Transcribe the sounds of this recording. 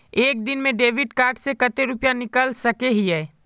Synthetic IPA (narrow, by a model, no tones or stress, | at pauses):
eːk̚d̪ɪnmẽɖeːʋɪɖkaːɾʈsekɐt̪eɾʊpjanɪkəlsɐkeɦiɦɛː